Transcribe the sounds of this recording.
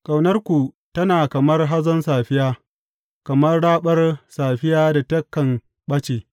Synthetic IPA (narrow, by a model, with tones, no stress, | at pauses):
kʼa˨wnɐ˦rkʷu˨ | tɐ˦naː˨kɐ˨mɐ˦rɦa˦zɐ˦nsaː˨ɸɪ˦jaː˦ | kɐ˨mɐ˦rɽaː˦ɓɐ˦rsaː˨ɸɪ˦jaː˦da˨tɐ˦kːɐ˨ŋ | ɓɐ˦t͡ʃeː˨